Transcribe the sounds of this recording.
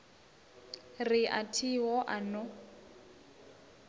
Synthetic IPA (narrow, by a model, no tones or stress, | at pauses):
rɪʔa̰tʰiɦɔʔanɔ